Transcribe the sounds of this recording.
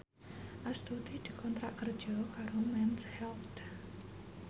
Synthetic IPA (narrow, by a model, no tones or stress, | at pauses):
ʔast̪ut̪id̪̥i̤kʰɔnt̪ɾaʔkər̥ʒ̥ɔkaɾomɛnshɛlt̪